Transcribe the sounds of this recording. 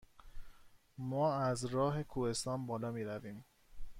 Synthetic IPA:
mɒːæzɾɒːɦe̞kʰuhe̞st̪ɒːnbɒːlɒːmiːɾæviːm

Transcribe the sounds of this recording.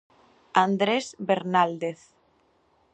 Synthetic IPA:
and̪ɾezβeɾnald̪eθ

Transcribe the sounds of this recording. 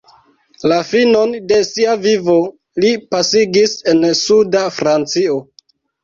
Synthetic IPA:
lafino̞nde̞siavivo̞ | lipasiɡise̞nsudafɾant͡sio̞

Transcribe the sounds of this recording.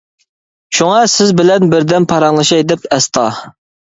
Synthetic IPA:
ʃuŋɑsɪzbɪlɛnbɪɾd̪ɛnpʰɑɾɑŋlˠɨʃɑjd̪ɪpɛst̪ʰɑ

